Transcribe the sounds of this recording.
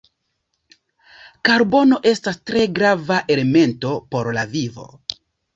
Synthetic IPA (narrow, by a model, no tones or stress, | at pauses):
kaɾbo̞no̞ʔe̞stastɾe̞ɡɾavaʔe̞le̞me̞nto̞po̞ɾlavivo̞̰